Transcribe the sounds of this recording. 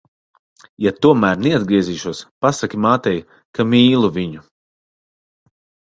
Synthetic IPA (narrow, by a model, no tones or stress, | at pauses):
jat̪uɔmæːɾnɛad̪̚ɡɾiɛziːʃuɔspasakʲimaːt̪ɛj | kamiːlˠuviɲu